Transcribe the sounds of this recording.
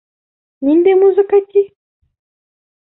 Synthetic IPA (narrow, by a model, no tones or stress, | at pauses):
nindemuzokati